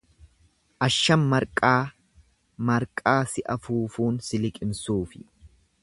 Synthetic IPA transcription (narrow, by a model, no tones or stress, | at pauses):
ʔɐʃːɐmːɐɾkʼaː | mɐɾkʼaːsɪʔɐfuːfuːnsɪlɪkʼɪmsuːfɪ̥